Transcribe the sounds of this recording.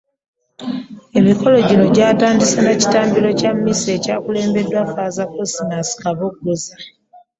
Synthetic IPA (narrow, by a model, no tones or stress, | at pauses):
e̞miko̞lo̞ɟino̞ɟaːtaːndisenaci̥taːmbilo̞camːise̞ːcaːkule̞ːmbe̞dːwafaːzakosinasi̥kaβo̞k̚uɡuza